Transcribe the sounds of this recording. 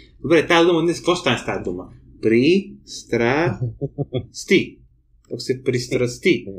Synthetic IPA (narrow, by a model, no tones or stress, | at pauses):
bəbɾet̪ad̪umɐd̪neskɔst̪anst̪ad̪umɐ | pɾist̪ɾa | st̪i | oksepɾist̪ɾɐst̪i